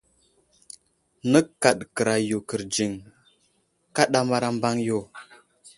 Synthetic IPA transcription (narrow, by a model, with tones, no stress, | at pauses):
nə˦ka˨ɗkə˨ɾa˨ju˨kə˨ɾd͡ʒi˨ŋ | ka˦ɗa˦ma˦ɾa˦mba˦ŋjo˨